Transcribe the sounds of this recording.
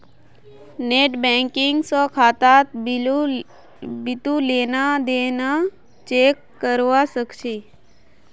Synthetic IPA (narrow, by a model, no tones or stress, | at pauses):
neːʈbɛ̃ŋkɪŋɡsɔkʰaːt̪at̪ | bɪt̪uleːnad̪eːna | t͡ʃeːkːəɾʋasəkt͡ʃʰe